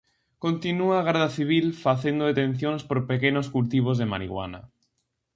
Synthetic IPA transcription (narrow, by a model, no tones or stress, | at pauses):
kont̪inuaːɣɛɾðaθiβ̞ilfaθend̪oet̪ẽn̟θjõŋspoɾpekenoskult̪iβ̞ozðema̰ɾḭɣwa̰na̰